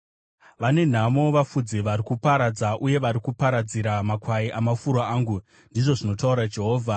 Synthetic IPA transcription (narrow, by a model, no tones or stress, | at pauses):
ʋane̞n̤amo̞ʋafud͡ziʋaɾikupaɾad͡zaʔuje̞ʋaɾikupaɾad͡ziɾamakwaiʔamafuɾoaːŋɡu | ndiʐo̞ʐino̞tauɾad͡ʒe̞ɦo̞ːvʱa